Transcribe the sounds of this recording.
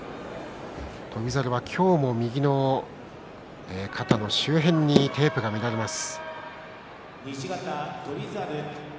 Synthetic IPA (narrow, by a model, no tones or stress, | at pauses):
t̪ʰo̞bʲizaɾɯ̟βakʲʰo̞ːmo̞mʲiɡʲino̞ | ekʰat̪ano̞ɕɨːɦẽ̞ɲ̟ːit̪e̞ːpɯ̟ɡamʲiɾaɾe̞masɨ̥ | ɲiɕiɡat̪at̪obʲizaɾɯ